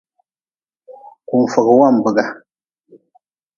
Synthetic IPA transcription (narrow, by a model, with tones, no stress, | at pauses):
ku˨m˨fə˨kwa˦˨m˨bə˨ɡa˨